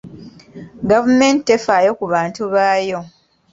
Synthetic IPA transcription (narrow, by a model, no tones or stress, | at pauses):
ɡavume̞ːntːefaːjo̞kuβaːntuβaːjo̞